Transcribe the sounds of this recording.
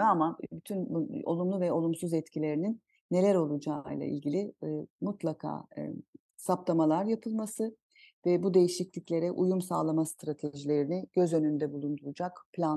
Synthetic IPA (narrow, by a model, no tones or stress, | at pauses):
amabyt̪ʰyno̞̰lˠumlˠuvɛo̞lˠumsuzɛt̪cʰilʲe̞ɾininː | e̞lʲæɾo̞lˠud͡ʒaːjlˠa̰ʔḭlʲɟilʲimut̪lˠakʰa̰ː | saplˠamalˠaɾjapʰɯlˠmasɯ | vɛbud̪e̞jiʃiclʲiclʲe̞ɾɛʔujumsa̰ːlˠamast̪ɾat̪ʰeʒilʲe̞ɾinɪɟ̥ø̞zø̞nynd̪ɛbulˠund̪uɾud͡ʒakpʰlʲan